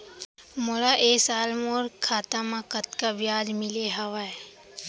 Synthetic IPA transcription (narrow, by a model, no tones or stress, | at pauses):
moɾaʔeːsaːlmoːɾkʰaːt̪amãkət̪kabjaːd͡ʒmɪleɦɐʋae